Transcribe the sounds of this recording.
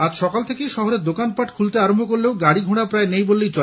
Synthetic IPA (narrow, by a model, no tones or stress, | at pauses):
ad͡ʑʃɔkalt̪ʰekejʃɔɦoɾeɾd̪okanpaʈkʰult̪eaɾombʱokoɾleoɡaɽiɡʱuɽ̃apɾaenejbolːejt͡ɕo